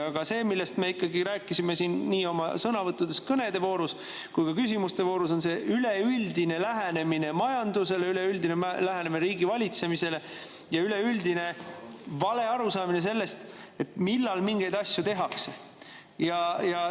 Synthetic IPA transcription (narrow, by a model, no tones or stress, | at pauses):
ɑɡ̥ɑse̞ːmilːe̞st̪me̞ikˑːɑɡiɾæːkːˑisime̞siːnːiːo̞mɑ̰sɤnɑvɤt̪ːˑud̪̥e̞skɤne̞d̪e̞vo̞ːɾus | kujkɑkysʲimust̪e̞vo̞ːɾus̬o̞nse̞ʔyleyld̪ine̞læɦene̞mine̞mɑjɑnd̪use̞leyle̞yld̪inemlæɦenemineɾiːɡivɑlʲit̪se̞mise̞le̞ | jɑyle̞yld̪ine̞vɑle̞ɑɾusɑːmine̞s̬e̞lːe̞st̪ | e̞t̪milːɑlmiŋɡ̥e̞jd̪̥ɑsʲjut̪e̞ɦɑkse̞ | jɑjɑ